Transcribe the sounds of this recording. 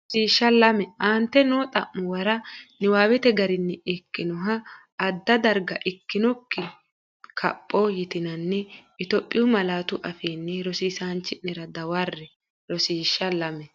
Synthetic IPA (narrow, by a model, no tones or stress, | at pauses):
ɾɔsiːʃːɐlɐmɛʔaːnt̪ːɛnoːt̪ʼɐʔːʊwɐɾɐnɪwaːwɛt̪ɛɡɐɾɪnːɛɛkːɪnɔɦɐː | d̪ːɐd̪ɐɾɡɐʔɪkːɪnɔkːɪ | kʰɐ̰pʼːojɪt̪ɪnɐnːɛɪt̪ɔpʼːɪjʊmɐlaːt̪ʊʔɐfeːnːɛɾɔsiːsaːnt͡ʃːɪʔnɛɾɐd̪ɐwɐrːɛ | ɾɔsiːʃːɐlɐmɛ